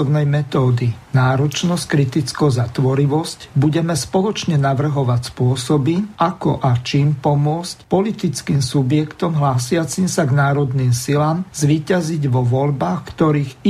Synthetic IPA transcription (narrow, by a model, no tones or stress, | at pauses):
ɔbnɛjmɛt̪ɔːd̪inaːɾɔt͡ʃnɔsckɾit̪it͡skɔzat̪ʋɔɾiʋɔscbuɟɛmɛspɔlɔt͡ʃɲɛnaʋr̩ɦɔʋacspʊɔsɔbiʔakɔ̰ʔat͡ʃiːmpɔmʊɔt͡scpɔlit̪it͡skiːmsubjɛkt̪ɔmɦlaːsɪat͡simsaɡnaːɾɔd̪niːmsilaːmzʋiːcaziɟʋɔʋɔʎbaːxkt̪ɔɾiːɣi